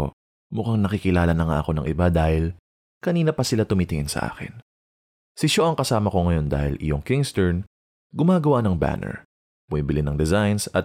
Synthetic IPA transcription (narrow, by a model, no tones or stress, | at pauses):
mʊkaŋnɐkikɪlaːlɐnɐŋa̰ʔɐko̞nɐŋʔɪbad̪aːhɪl | kɐniːnɐpɐsɪlat̪ʊmɪt̪ɪhɪnsɐ̰ʔa̰ːkɪ̰n | sɪʃoʔɐŋkɐsaːmɐko̞ŋɐjo̞nd̪a̰ːhɪlʔɪ̰joŋkɪŋst̪ɛɹn | ɡʊmaːɡɐwanɐŋba̰ːnɛ̰ɹ | b̥ʊmiːbɪlɪnɐŋd̪ɛzajnsɐt̪̚